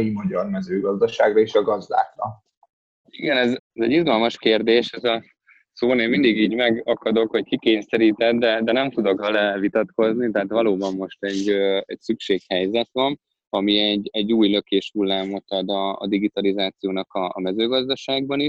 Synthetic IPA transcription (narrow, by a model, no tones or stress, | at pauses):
jimɒɟɒrmɛzøːɡɒzd̪ɒʃaːɡrɒeʃɒɡɒzd̪a̰ːkrɒ | iɡɛnɛzɛzɛɟizɡɒlmɒʃkeːrd̪eːʃɛzɒ | soːneːmmind̪iɡiːɟmɛɡɒkɒd̪o̞kho̞ckikeːɲsɛɾiːt̪ɛd̪d̪ɛd̪ɛnɛmt̪ud̪o̞kvɛlɛvit̪ɒt̪ko̞znit̪ɛɦaːt̪ʋɒloːbɒmːo̞ʃt̪ɛɟːɛcsykʃeːkhɛjzɛt̪ʋɒn | ɒmiɛɟːɛɟːuːjløkeːʃhulːaːmːoɒd̪ɒ̰ːd̪iɡit̪ɒlizaːt̪sijoːnɒkɒːmɛzøːɡɒzd̪ɒʃaːɡ̚bɒniʃ